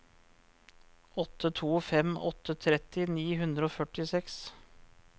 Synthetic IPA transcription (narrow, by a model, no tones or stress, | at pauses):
ʔɔt̪ʰət̪ʰuːfɛmɔt̪ʰət̪ʰɾɛt̪ɪniːɦʉnd̪ɾəoːfœʈɪsɛks